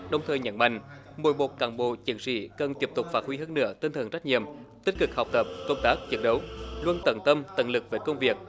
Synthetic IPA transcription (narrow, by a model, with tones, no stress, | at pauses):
ɗə˨˧wŋ͡mt̪ʰəː˨˩jɲə̰˧˥nma̰˧˨ŋ̟ | mo̰˧˨jɓo˨˩t̚kaː˧˩nɓo̰˧˨t͡ɕi˨˩ənsḭ˧˥kə˨˩nt̪i˦˥əp̚t̪ʊ˨˩k͡p̚faː˦˥t̚hwi˧ɦəː˧nːɨ̰˧˥ət̪i˧nt̪ʰə˨˩nza˦˥k̚ɲḭ˧˨əmt̪i̟˦˥kɨ˨˩k̚ha˨˩wk͡p̚t̪ə˨˩p̚kə˧wŋ͡mt̪aː˦˥k̚t͡ɕi˨˦˥ən̚ɗə˨˦wlwə˧nt̪ə˧˩nt̪ə˧mt̪ə̰˧˩nlɨ˨˩k̚ve˨˩˦kə˧wŋ͡mvi˨˩ək̚